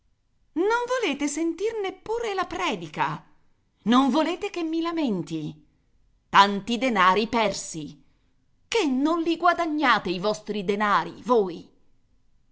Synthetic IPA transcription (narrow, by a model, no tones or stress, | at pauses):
noɱvoleːt̪esent̪irnepːuːɾelapɾɛːd̪ika | noɱvoleːt̪ek̟emːilament̪i | t̪ant̪id̪enaːɾipɛrsi | kenːonliɡwad̪aɲːaːt̪eivɔst̪ɾid̪enaːɾḭvoːj